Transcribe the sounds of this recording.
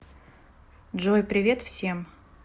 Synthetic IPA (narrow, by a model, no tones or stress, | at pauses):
d̪ʐojpɾʲɪvʲe̞t̪fsʲe̞m